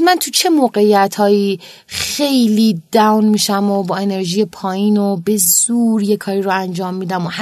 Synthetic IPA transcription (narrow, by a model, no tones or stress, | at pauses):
mænt̪ʰut͡ʃʰe̞moːɢe̞ijæt̪ʰhɒːjiː | xe̞jliːd̪æwnmiːʃæmobɒːe̞ne̞ɾʒiːje̞pʰɒːjiːnobe̞zuːɾje̞kʰɒːɾiɾoænd͡ʒɒːmːiːd̪æmoh